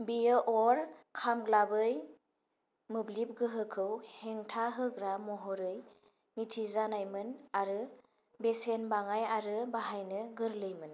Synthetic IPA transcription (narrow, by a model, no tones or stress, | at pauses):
bijɯʔɔɾkʰamɡlabɯj | mɯblip̚ɡɯɦɯkʰɯwheŋtʰaɦɯɡɾamɔɦɔɾɯj | mitʰizanajmɯnaɾɯ | besenbaŋajaɾɯbaɦajnɯɡɯɾlɯjmɯn